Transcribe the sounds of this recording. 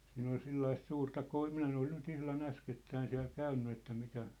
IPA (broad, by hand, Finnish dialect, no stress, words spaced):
siːn ol selːɑist suːrtɑ koi minæ en ol nyt ihlɑn æsketːæin siæ̝l kæynːy etːæ mikæ